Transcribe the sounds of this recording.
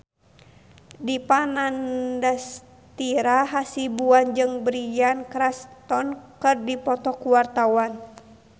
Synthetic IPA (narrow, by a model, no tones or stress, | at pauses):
dipanandas | t̪iɾaɦasibuand͡ʒɨŋbɾijankɾast̪ɔnkɨrdipɔt̪ɔkuwart̪awan